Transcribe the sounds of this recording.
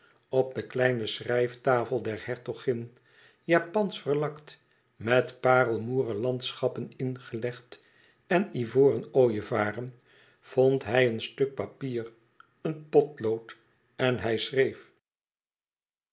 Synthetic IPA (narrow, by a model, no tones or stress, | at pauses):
ɔp̚dəklɛjnəsrɛjftaːfəlˠdɛɹhɛɹtoχɪn | jaːpɑnsfəɹlɑkt | mɛtpaːrəlˠmuːrəlɑntsχɑpənɪnχəlɛχt | ɛnivoːrənoːjəvaːrən | v̥ontɦɛjənstɵk̚papiːr | ənpɔtlowt | ɛnɦɛjsrejf